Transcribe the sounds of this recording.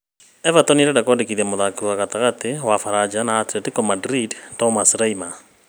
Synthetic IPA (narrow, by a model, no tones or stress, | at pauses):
ɛvatɔniɾɛdakɔndekiðiɛmoðakuaɣataɣatiwafaɾad͡ʒanaːtɾɛtikɔmadɾidtɔmasɾaima